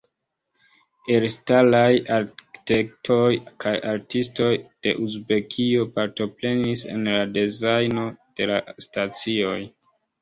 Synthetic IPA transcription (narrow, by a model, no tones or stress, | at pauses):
eɾstalajaɾki̥tek̚tʰo̞jkʰajaɾtisto̞jd̥e̞̰ʔuzbe̞kʰio̞paɾto̞pɾe̞nise̞̰nlade̞zajno̞d̥e̞lastat͡sio̞j